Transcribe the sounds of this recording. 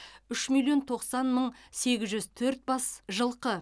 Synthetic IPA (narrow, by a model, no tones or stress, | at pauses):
ʏʃmilˠjo̞nt̪ʰo̞qsɑnməɴse̞ɡʲɪzʒʏzt̪ʰɵɾt̪̚bɑsʒəlˠqə